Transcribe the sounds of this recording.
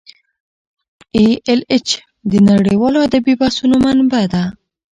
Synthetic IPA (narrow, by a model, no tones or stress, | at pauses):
eelɪt͡ʃ | d̪ənaɽiwɑload̪abibasunomanbad̪a